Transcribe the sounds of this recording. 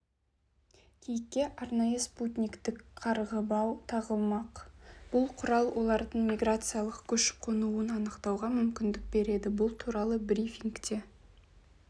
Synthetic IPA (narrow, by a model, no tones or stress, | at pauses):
kʲʰejkʲːe̞ʔɑɾnɑjəsput̪ʲnʲikt̪ɪkqʰɑɾʁəbɑwt̪ʰɑʁəlˠmɑqb̥ʊlˠqʰʊɾɑlˠwʔo̞lˠɑɾd̪əɴmʲijɡrat̪sɨjalˠəqkʲʰɵʃ̚qʰonuənɑnəqt̪ɑwʁɑmʏmkʲɪnd̪ɪk̚be̞ɾe̞d̪ɪbʊlˠt̪ʰuɾɑlˠəbɾifʲiŋkt̪e̞